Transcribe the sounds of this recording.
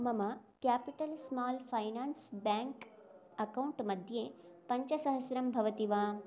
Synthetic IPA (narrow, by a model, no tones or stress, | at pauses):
mɐmɐkjaːpiʈɐlsmaːlpʰɐjnaːnsbaːŋk | ɐkɐwɳʈmɐd̪ʱjeːpɐɲt͡ʃɐsɐɦɐsɾɐmbʱɐʋɐt̪iʋaː